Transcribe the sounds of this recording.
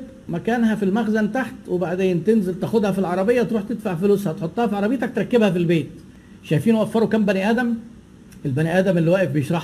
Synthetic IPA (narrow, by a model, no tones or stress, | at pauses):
mækæːnhæfilmæxzænt̪aħt̪webaʕd̪eːnt̪enzælt̪æxod̪hæfilʕɑɾˤɑbejːæt̪ɾuːħt̪ed̪faʕfoluːshæt̪ħot̪ˤːɑːhæfiʕɑɾˤɑbejːt̪æk̚t̪ɾˤɑkːebhæfilbeːt̪ | ʃæjfiːnwʔæfːɑɾˤukæmbæniːʔæːd̪æm | ʔelbæniːʔæːd̪æmʔelːiwæːʔefbejeʃɾˤɑħ